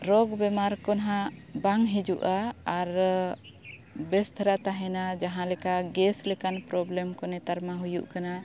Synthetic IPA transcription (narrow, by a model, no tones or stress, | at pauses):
ɾɔɡbɛmaɾkɔnɦãbaŋɦid͡ʒuʔaːɾ | bɛst̪ʰaɾat̪aɦɛnad͡ʒaɦãlɛkaʔɡɛslɛkanpɾɔblɛmkɔnɛt̪aɾmaɦujṵʔkana